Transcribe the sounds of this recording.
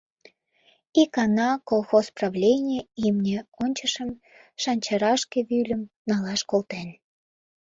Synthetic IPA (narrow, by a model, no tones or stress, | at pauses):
ikɑnɑkolˠxosprɑβlʲenʲeimnʲĕonʲt͡ɕəʃəm | ʃɑnʲt͡ɕɑɾɑʃkeβylʲəm | nɑlɑʃkolt̪en